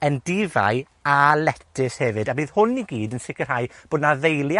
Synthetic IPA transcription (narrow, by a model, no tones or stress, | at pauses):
əndɪva̰ɨ | alɛtʰɪshɛvɨdabiːðhʊniɡiːdənsɪkər̥haːɨb̥oːdnavejlˠj